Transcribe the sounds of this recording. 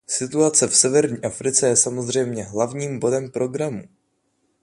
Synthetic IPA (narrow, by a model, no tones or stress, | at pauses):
sɪt̪uat͡sɛfsɛvɛɾɲiːʔafɾɪt͡sɛjɛsamo̞zr̝ɛjmɲɛɦlavɲiːmbo̞dɛmpɾo̞ɡɾamu